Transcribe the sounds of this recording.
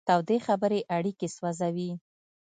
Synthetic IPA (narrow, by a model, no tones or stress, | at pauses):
t̪awd̪exabəɾeʔaɽikeswazawi